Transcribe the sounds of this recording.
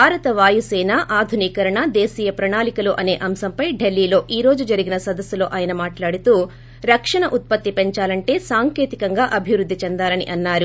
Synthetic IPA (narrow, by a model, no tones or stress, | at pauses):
bʱaːɾɐt̪ɐʋaːjusɛːnaʔaːd̪ʱuniːkɐɾɐɳɐd̪eːsiːjɐpɾɐɳaːlikɐluːʔɐne̞ːʔɐmsɐmpɐjɖelːiːlo̞ːʔiːɾo̞ːd͡ʒud͡ʒɐɾiɡinɐsɐd̪ɐsːulo̞ːʔaːjɐnɐmaːʈlaːɽut̪uː | ɾɐkʂɐɳɐʔut̪̚pɐt̪ːipeɲt͡ʃaːlɐɳʈe̞ːsaːŋke̞ːt̪ikɐŋɡaːʔɐbʱiʋɾud̪ʱːit͡ʃɛnd̪aːlɐnḭʔɐnːaːɾu